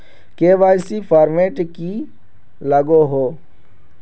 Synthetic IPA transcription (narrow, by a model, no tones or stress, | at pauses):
keːʋaːjsipʰaːɾmeːʈki | ləɡoɦoː